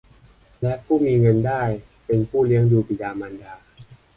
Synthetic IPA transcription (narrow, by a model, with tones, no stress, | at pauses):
lɛ˦˥pʰuː˥˩miː˧ŋɤ˧ndaː˥˩j | pe˧npʰuː˥˩li˦˥əŋduː˧pi˨˩daː˧maː˧ndaː˧